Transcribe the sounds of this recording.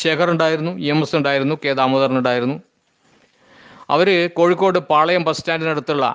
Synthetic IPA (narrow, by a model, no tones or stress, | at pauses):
ɕeːkʰɐruɳɖaːjiɾunːuemɐsnuɳɖaːjiɾunːukeːd̪aːmoðɐrnuɳɖaːjiɾunːu | ɐ̰ʋɐɾɨkoːɻikːo̞ːɽɨpaːɭɐjɐmprɐstaːndinɐɽut̪ːuɭːɐ̰